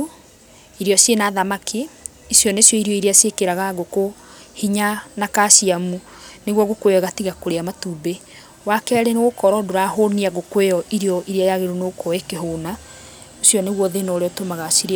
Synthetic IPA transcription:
iɾeɔsjenaðamakʰi | isjɔnesjɔiɾiɔiɾeasekeɾaɣaɣoko | hiɲanakasiamu | neɣwɔɣokweɔɣatiɣakoɾeamatuːbe | wakɛɾeneɣokɔɾɔdoɾaɦoniaɣokwejɔʔiɾiɔʔiɾeajaɣeɾunokɔekeɦoːna | osjɔneɣwɔðenɔoɾeɔtomaɣasiɾe

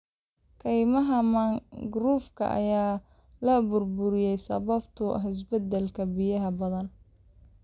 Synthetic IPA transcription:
kʰɛjmɐɦɐmɐŋɡruːfkʰɐ̰ʔɐ̰jaː | lɐbʊrbʊɾɪjɛjsɐ̰βɐbt̪ʰʊ̰hɪs̬bɐd̪ɛlkʰɐbɪjɐɦɐbɐðɐn

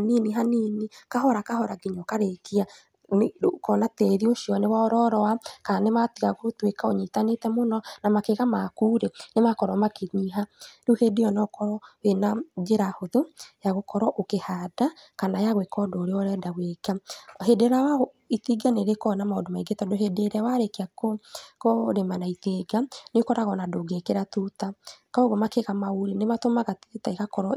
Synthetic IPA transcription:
niniɦaninekaɦɔɾakahɔɾaɡiɲɔkaɾekia | nkɔnateðioʃiɔnewaɔɾɔɾɔwakanematiɣaɣotwekaoɲitanetɛmonɔnamakeɣamakuːɾenemakɔɾɔmakeɲiɦaɾuhedejɔnɔkɔɾɔwenad͡ʒeɾahoðojaɣokʰɔɾɔʔokehadakanajaɣwekɔdoːɾeɔɾɛdaɣweɡahedeɾawa | iθiɡaneɾekɔnamaodomaiɡetɔdoɦedeɾɛwaɾekeakokoɾemanaiθeːɡanekɔɾaɣɔnadoɡekeɾatutakaoɣomakeɣamauɾinematomaɣattaeɣakɔɾɔ

